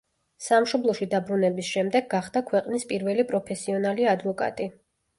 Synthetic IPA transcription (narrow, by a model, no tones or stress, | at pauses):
samʃɔblˠɔʃid̪abɾunɛbisʃɛmd̪ɛɡːaχd̪akʰwɛqʼnispʼiɾvɛlipʼɾɔpʰɛsiɔnaliad̪vɔkʼa̰t̪ʼi